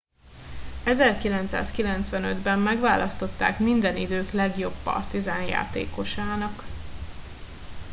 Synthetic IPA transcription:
ɛzɛrkilɛnt̪sa̰ːskilɛnt̪sʋɛnød̪bɛmːɛɡʋaːlɒst̪o̞t̪ːa̰ːkmind̪ɛnid̪øːklɛɡjo̞bːɒ̰rt̪izaːnja̰ːt̪ḛːko̞ʃaːnɒk

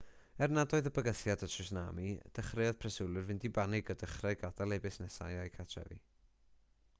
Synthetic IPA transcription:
ɛrnadɔɨðəbəɡəθjadətʰrɨsna̰ːmid̥əχrɪɔðpʰrɛsɪlˠɨrvɪndibanɪɡɔdəχrɛɡadalˠɛbɨsnɛsa̰jajkʰatʰrɛ̰vḭ

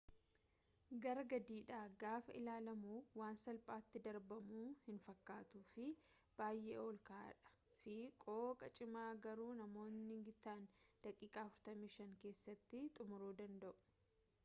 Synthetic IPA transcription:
ɡɐɾɐɡɐd̪iːᶑaːɡaːfɐɪlaːlɐmuːwaːnsɐlpʼaːt̪ːɪd̪ɐɾbɐmuːhɪnfɐkːaːt̪uːfɪ | b̥aːjʔḛːoːlkaa̰ᶑɐ̥ | fɪkʼoːkʼɐt͡ʃʼɪmaːɡɐɾuːnɐmo̞ːnːɪŋɡɪt̪ːaːnd̪ɐkʼiːkʼaːɐfʊɾt̪ɐmiːʃɐŋke̞ːsːɐt̪ːɪt̪ʼʊmʊɾuːd̪ɐnd̪ɐʔʊ̥

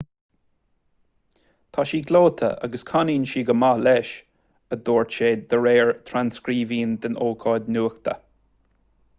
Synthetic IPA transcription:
t̪ʰaʃiːɡloːt̪ʰə̰ʔa̰ɡəskʰaniːnʃiːɡəmalɛʃ | əd̪oːɹt͡ʃeːd̪d̪əɹeːɹt̪ʰɾanskɾiːviːnd̪ənoːkʰɑːd̪nuːxt̪ʰə̰

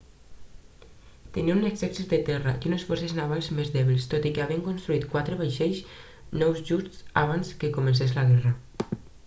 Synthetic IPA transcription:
t̪eniuneksɛksizd̪et̪ɛraʔiunesfɔrseznaβalˠzmezðɛβilst̪ot̪ikeaβieŋkonst̪ɾuit̪kwat̪ɾeβajʃeʎs | nɔwzʒust̪sa̰β̞anskekumensezlaɣɛra

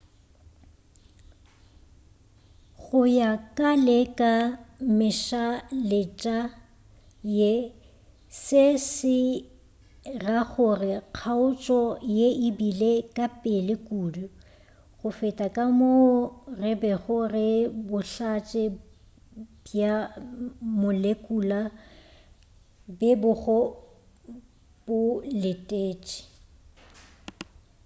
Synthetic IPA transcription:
ɣʊjakʼalɛkʼamɪʃalɪt͡ʃʼa | je | sɪsɪ | raɣʊrɪq͡χʰaʊt͡ʃʼɔjeɪbilekʼapʼɪlɪkʼuːdʊ | χʊfɛtʼakʼamorɪbɛɣʊrɪbʊɬat͡ʃʼɛ | bja | mʊlekʼuːla | bɪbʊɣɔ | b̥ʊlɪtʼeːt͡ʃʼɪ̥

